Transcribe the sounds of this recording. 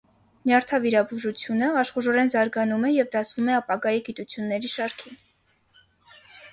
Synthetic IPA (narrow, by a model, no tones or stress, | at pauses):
njɑɾt̪ʰɑviɾɑbuʒut͡sʰjunəɑʃχuɾɔɾɛnzɑɾɡɑnumɛjɛvd̪ɑsʰvumɛɑpɑɡɑjiɡit̪ut͡sʰjunːɛɾiʃɑɾkʰin